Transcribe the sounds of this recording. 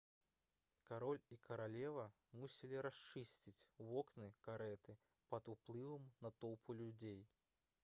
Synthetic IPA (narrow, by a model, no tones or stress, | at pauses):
kaɾɔlʲikɐɾalʲɛvɐ | musʲilʲiɾast͡ʂɨsʲt͡sʲit͡sʲwɔknɨkaɾɛt̪ɨ | pɐd̪uplˠɨvɐmnɐt̪ɔwpʰulʲud͡zʲej